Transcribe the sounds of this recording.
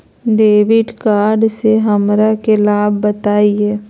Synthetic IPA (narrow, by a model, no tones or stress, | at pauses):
ɖeːʋɪɖkaːɾɖseɦəmɾakelaːbːət̪aːiɦeː